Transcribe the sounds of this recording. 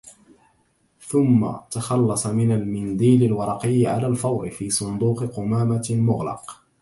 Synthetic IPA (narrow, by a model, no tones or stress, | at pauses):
θʊmːa̰t̪ɑxɑlːɑsˤɑmɪnalmɪnd̪iːlalwɑɾˤɑqɪjːʕa̰laːlfɑwˤʔɪfiːsˤʊnd̪uːqɪqʊmaːmalmʊɣlɑ̰q